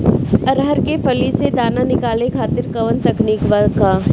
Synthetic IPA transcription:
ɐɾɦəɾkefʰɐlised̪aːnanɪkaːlekʰaːt̪ɪɾkɐʋənt̪ɐkniːkʋaːlkaː

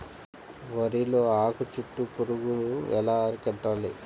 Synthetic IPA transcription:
ʋɐɾiloːaːkut͡ʃuʈːukuɾuɡuluɛ̰laːɐɾukɛʈːaːli

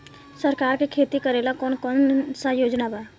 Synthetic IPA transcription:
səɾkaːɾkekʰeːt̪ikəɾeːlakɔːnkɔːnsajoːd͡ʒnabaː

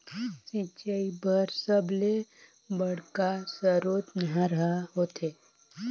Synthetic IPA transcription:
sĩt͡ʃaibʱəɾsəble | bəɽkasəɾoːt̪nəɦãɾəɦaɦoːt̪eː

